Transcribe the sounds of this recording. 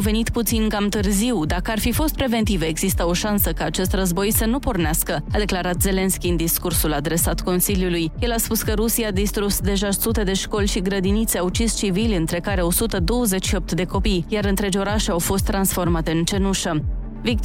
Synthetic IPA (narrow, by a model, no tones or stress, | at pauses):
ve̞nit̪put̪sinkamt̪ɨrziwd̪akəarfifo̞st̪pɾe̞ve̞nt̪ivəeɡz̥ist̪əo̞ʃansəkaːt͡ʃe̞st̪rəzbo̞jsənupo̞rneaskəad̪e̞klaɾat̪ze̞le̞nskʲiɨnd̪iskursulad̪ɾe̞sat̪ko̞nsiljulujje̞laspuskəɾusiad̪ist̪ɾusd̪e̞ʒasut̪e̞d̪e̞ʃko̞lʲʃiɡɾəd̪init̪seawt͡ʃist͡ʃivilʲɨnt̪ɾe̞kaɾeo̞sut̪əd̪o̞wəze̞t͡ʃʃiop̚t̪d̪e̞ko̞pijjaɾɨnt̪ɾe̞d͡ʒo̞ɾaʃeawfo̞st̪ːɾansfo̞rmat̪e̞ɨnt͡ʃe̞nuʃə | vik̚t̪